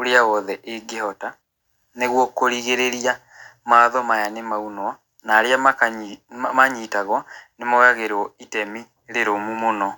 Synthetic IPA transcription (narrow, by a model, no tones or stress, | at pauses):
oɾeawɔðɛʔeɡeɦɔta | neɣwɔkoɾiɣeɾeɾia | maːðɔmajanemaunwa | naːɾeamak | maɲitaɣwɔnemɔɣaɣeɾɔitɛmi | ɾeɾomumonɔ